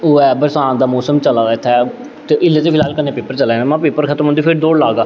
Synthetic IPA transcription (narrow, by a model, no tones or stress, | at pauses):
oːɛːbəɾsãːd̪aːmoːsəmt͡ʃəlaːd̪aːɪt̪ʰːɛː | t̪eːʔɪlːeːt̪eːpɪlaːlkənːẽːpeːpəɾt͡ʃəlɛ̃nːmãːpeːpəɾkʰət̪əmənd̪iːpʰɪɾd̪oːɽlaːɡaː